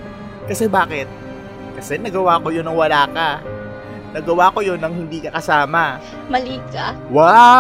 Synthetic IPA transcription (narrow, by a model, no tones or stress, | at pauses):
kɐsɛbaːkɛt̪̚ | kɐsɛnɐɡɐwaːkojonɐŋwɐlaːkɐ | nɐɡɐwaːko̞jo̞nːɐŋhɪnd̪iːkɐkɐsaːmɐ | mɐliːkawa